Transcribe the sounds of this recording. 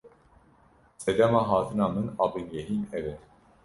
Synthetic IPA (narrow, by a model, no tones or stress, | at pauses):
sɛd̪ɛmɑːɦɑːt̪ʰɨnɑːmɨnɑːbɨnɡɛɦiːnɛvɛn